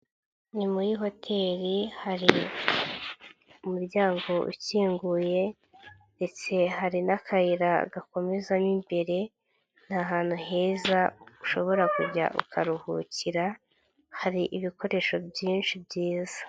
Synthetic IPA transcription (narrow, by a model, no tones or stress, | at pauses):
nimujiɦo̞tʰe̞ːɾihaɾi | umuɾɟaːŋɡo̞ṵciːŋɡuje̞ | nde̞t͡se̞ɦaɾinakʰaiɾaɡako̞me̞zanimbe̞ɾe̞ | n̥haɦaːn̥huhe̞ːzauʃo̞βo̞ɾakuɾɟa̰ʔṵkʰaɾuhṵciɾa | haɾiʔiβikʰo̞ɾe̞ʃo̞bjiːnʃibɟiːzḁ